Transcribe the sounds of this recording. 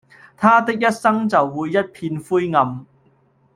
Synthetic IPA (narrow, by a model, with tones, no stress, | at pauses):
t̪ʰaː˥t̪ɪ˥k̚jɐ˥t̚sɐ˥ŋt͡sɐ˨wːuː˨˧jːɐ˥t̚pʰiː˧nfuː˥jŋɐ˨˧m